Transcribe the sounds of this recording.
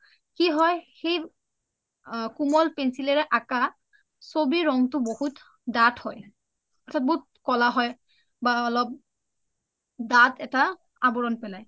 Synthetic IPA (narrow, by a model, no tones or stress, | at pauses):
kiɦɔjxej | kumɔlpɛnsilɛɹɛʔaka | sobiɹɔŋtʊbohut | dathɔj | ɔtʰat̚boɦut̚kɔlaɦɔj | baɔlɔp̚ | datʰɛta | abɔɹɔnpɛlaj